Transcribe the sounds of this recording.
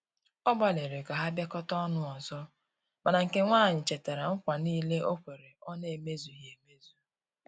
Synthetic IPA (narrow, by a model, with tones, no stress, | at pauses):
ɔ˦ba˦le˨ɾe˨ɡa˨ɦa˦ba˦kɔ˦tɔ˦nʊ˦ɔ˨zɔ˦ | ma˨na˨ŋ̩˨ke˨ŋʷaː˦˨ɲɪ˨t͡ʃe˨te˨ɾa˨ŋ̩˦kʷa˨niː˦le˦ʔo˦kʷe˨ɾe˨ɔ˦ne˨me˦zu˨ɦe˨me˦zu˨